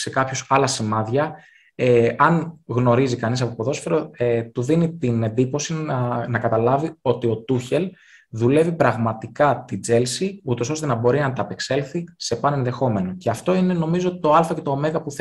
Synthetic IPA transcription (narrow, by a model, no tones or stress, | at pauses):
se̞kɐpço̞sɐlɐsimɐðʝɐ | eɐnɣno̞ɾizikɐnis̬ɐpopoðo̞sfeɾot̪uðinit̪ine̞nd̪ipo̞siɐnɐkɐt̪ɐlɐvio̞t̪io̞t̪uçe̞l | ðule̞vipɾɐɣmɐt̪ikɐt̪id͡ze̞lsiut̪o̞so̞st̪e̞nɐbo̞ɾinɐt̪ɐpe̞kse̞lθise̞pɐne̞nðe̞xo̞meno̞ceɐft̪o̞ine̞no̞mizoot̪̚it̪oɐlfɐce̞t̪o̞ːme̞ɣɐpuθ